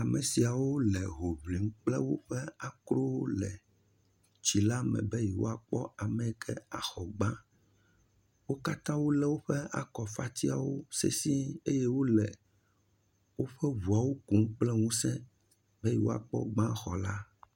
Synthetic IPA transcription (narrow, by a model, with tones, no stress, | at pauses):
a˨me˨si˨a˨wo˦lɛ˨ɦo˨βli˨ŋ̩˦k͡plɛ˦wo̰˦ɸɛ˦a˨kɾo˦lɛ˨ | t͡ʃi˨la˦mɛ̰̃˨bɛ˦ji˨wo̰˦a˨k͡pɔ˦a˨mɛ˨kʰɛ˦a˨xɔ˨ɡ͡bã˦ | wo˦ka˦t̪ã˦wo˦lɛ˦wo˦ɸɛ˦a̰˨kɔ˨fa˦t̪i˦a˨wo˦sḛ˦si˦e˦je˦wo˦lɛ˨ | wo˦ɸɛ˦vu˨a˨wo˦ku˨ŋ̩˦k͡plɛ˦ŋũ˦sɛ̃˦ | bɛ˦ji˨wo̰˦a̰˨k͡pɔ̰˦ɡ͡bã˦xɔ˨la˦